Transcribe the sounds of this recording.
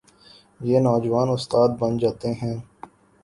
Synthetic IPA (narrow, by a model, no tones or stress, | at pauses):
jeːnɔːd͡ʒʋaːnʊst̪aːd̪̚bɐnd͡ʒaːt̪eɦɛ̃ː